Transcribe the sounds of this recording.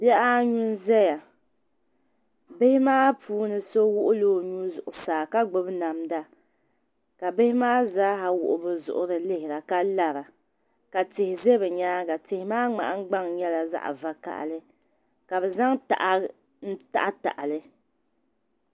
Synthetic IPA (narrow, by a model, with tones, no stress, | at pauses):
bɛ˦ʔa˦ɲu˦n˦zɛ˦ja˨ | bɪ˦hɪ˦maː˦pʰuː˦nɨ˨so˦wʊ˦ʔʊ˦loː˦˨ɲu˦zʊ̰˨ʔʊ˨saː˨ka˦ɡ͡bʊ˨bna˨mda˦ | ka˨bɪ˦hɪ˦maː˦zaː˦ha˨wʊ̰˨ʔʊ˨bɨ˨zʊ̰˨ʔʊ˨ɾɨ˨lɪ˦hɪ˨ɾa˨ka˦la˦ɾa˨ | ka˨tɪ˨hɪ˨ze˦bɛ˨ɲaː˦ɡa˨tɪ˨hɪ˨maː˦ŋ͡ma̰˨ʔa˦ŋ˦ɡ͡ba˦ŋɲɛ˦la˨za̰˦ʔa̰˨va˨ka̰˨ʔlɨ˦ | ka˨bɛ˨za˦ŋta̰˨ʔ | n̩˦ta̰˦˨ʔa˦ta̰˨ʔa˨lɨ˦